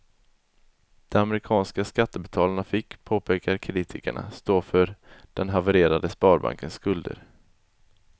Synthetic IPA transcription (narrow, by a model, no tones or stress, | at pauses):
d̪̥ɛmamɛɾɪkʰɑːnskaskat̪ːəbɛt̪ʰɑːlaɳafɪkːpʰoːpʰeːkaɾkʰɾiːt̪ʰɪkə̰ɳa̰st̪oːfœɾd̪̥ɛnɦavəɾeːɾad̪əspɑːɾba̰ŋkənskɵld̪ə̰ɾ